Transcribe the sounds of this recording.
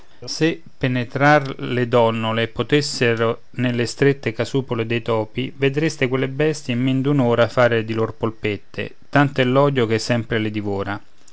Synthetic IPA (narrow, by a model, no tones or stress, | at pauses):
se | pːenet̪ɾarlɪd̪ɔnːolepot̪esːeɾo | nelːest̪ɾet̪ːekasuːpoled̪ejt̪ɔːpived̪ɾest̪ekwelːebɛst̪jeimːend̪unoːɾafaːɾed̪ilorpolpet̪ːḛt̪ant̪ɛlːɔːd̪jok̟esːɛmpɾelɪd̪ivoːɾa